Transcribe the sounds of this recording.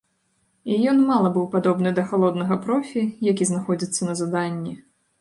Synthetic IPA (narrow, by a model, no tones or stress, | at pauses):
ijɔnmalˠɐbɨwpad̪ɔbnɨd̪ɐxalˠɔd̪nɐɣɐpɾɔfʲijakʲiznaxɔd͡zʲit̪sːɐnɐzɐd̪anʲːi